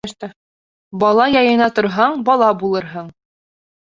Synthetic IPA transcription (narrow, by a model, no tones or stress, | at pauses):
ʃt̪ɤ | bɒlˠɑjɑjɤ̆nɑt̪ŏɾɦɑɴbɒlˠɑbulˠɤɾɦɤɴ